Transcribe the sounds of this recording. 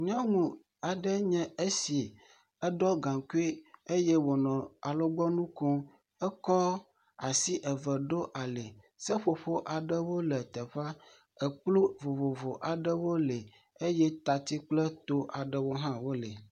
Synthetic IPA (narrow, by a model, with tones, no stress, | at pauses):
ɲɔ̃˦ŋũ˨ | a˨ɖɛ˦ɲɛ̃˦e˦si˨ | ɛ˦ɖɔ˦ɡã˨ŋku˦e˦e˦je˦wo˨nɔ̃˨a˨lo˦ɡ͡bɔ˦nũ˦ko˦ | ɛ˦kɔ˦ | a˨si˦ʔɛ˨və˨ɖo˦ʔa˨le˨ | sə˦ɸo˨ɸo˦ʔa˨ɖə˦wo˦lɛ˨t̪ɛ˨ɸa˦ | ə˨k͡plu˦vo˨vo˨vo˨ʔa˨ɖə˦wo˦le˨ | e˦jɛ˦t̪a˨t̪i˦k͡plɛ˦t̪o˦ʔa˨ɖə˨wo˦ɦã˦wo˦lɛ˨